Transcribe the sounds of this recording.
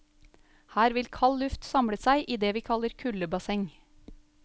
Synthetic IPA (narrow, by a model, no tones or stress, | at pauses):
hæːɾʋɪlkʰɑllʉft̪sɑmɽəsæɪʔiːd̪eːʋiːkʰɑləɾkʰʉləbɑsɛŋ